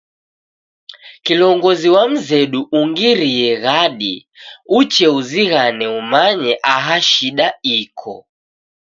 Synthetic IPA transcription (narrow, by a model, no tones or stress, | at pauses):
kilɔŋɡɔziwam̩zɛɗuʔuŋɡiɾiɛɣaɗḭ | ut͡ʃɛuziɣanɛumaɲɛʔaɦaʃiɗaikʰɔ̰